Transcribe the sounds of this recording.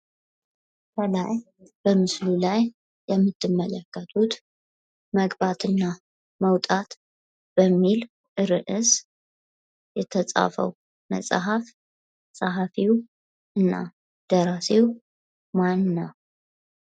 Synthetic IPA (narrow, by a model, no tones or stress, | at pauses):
bʰəlaj | b̥əmɨslulajː | ɛmːɨt̪ʰːɨmːələkːət̪ʰʼut̪ | məɡbat̪ʰɨnːa | məwt̪ʼat̪ | b̥əmːil | ʔɨɾɨʔɨs | jɛt̪ʰət͡sʼa̰fə̰w | mə̰sʼaɦaf | sʼaɦafiw | ɨnːa̰ | d̪̥əɾasiw | manːa